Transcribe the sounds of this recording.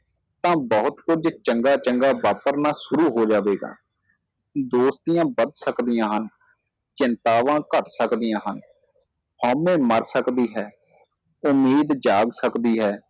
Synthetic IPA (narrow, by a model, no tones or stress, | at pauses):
t̪ãːbɔɦʊt̪kʊd͡ʒt͡ʃəŋɡaːt͡ʃəŋɡaːbaːpəɾnaːsʊɾuːɦoːd͡ʒaːʋeːɡa̰ː | d̪oːst̪ijãːbəd̪səkd̪ijãːɦən | t͡ʃɪnt̪aːʋãːkəʈsəkd̪ɪjãːɦən | hɔːmẽːməɾsəkd̪iːɦɛː | ʊmiːd̪d͡ʒaːɡsəkd̪iːɦɛː